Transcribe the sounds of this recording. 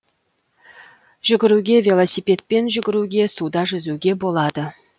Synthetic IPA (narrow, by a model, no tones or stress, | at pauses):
ʒ̥ʏɡʲɪɾuɡʲe̞vʲelˠosipe̞t̪̚pe̞nʒʏɡʲɪɾuɡʲe̞sud̪ɑʒʏzuɡʲe̞bo̞lˠɑd̪ə